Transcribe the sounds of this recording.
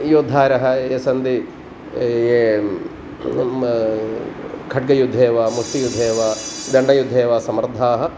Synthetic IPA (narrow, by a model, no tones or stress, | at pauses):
joːd̪ʱaːɾɐɦɐ̆eːsɐnd̪i | e | kʰɐʈ̚ɡɐjud̪ʱːeːʋɐːmust̪ijud̪ʱːeːʋad̪ɐɳɖɐjud̪ʱːeːʋasɐmɾd̪ʱaːɦɐ̆